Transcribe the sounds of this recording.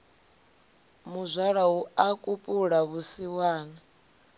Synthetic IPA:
muzʷaɺaɦuakʼupʼuɺaβusiwaːna

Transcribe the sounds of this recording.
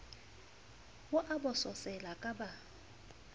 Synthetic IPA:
wʊʔabʊsɔsɛlakʼaba

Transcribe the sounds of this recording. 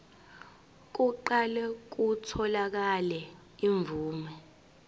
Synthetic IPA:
k̬uǃalɛk̬utʰɔlak̬alɛ | iɱvuːmɛ

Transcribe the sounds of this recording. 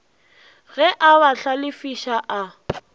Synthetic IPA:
ɣɛʔaβaɬalɪfiʃaʔa

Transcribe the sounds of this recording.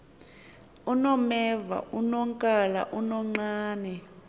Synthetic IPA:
unɔmɛva̰ʔunɔŋkʼala̰ʔunɔŋ͡ǃaːnɛ

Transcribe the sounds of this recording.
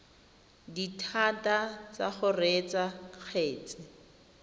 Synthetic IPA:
ditʰatʼat͡sa̰χʊret͡sak͡xʰeːt͡sʼɪ

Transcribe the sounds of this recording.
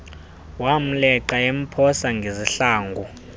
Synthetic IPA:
wam̩lɛǀaem̩pʰɔsaŋɡʱeziɬaːŋɡʱu

